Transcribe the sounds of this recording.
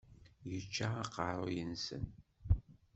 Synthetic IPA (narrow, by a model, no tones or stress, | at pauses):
jət͡ʃːaɑqəɾˤojənsə̰n